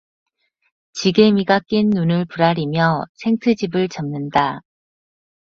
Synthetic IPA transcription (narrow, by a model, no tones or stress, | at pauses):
t͡ɕiɡe̞miɡak͈inːunɯɭpuɾaɾimjʌsʰe̞ŋtʰɯd͡ʑibɯɭt͡ɕʌmnɯnda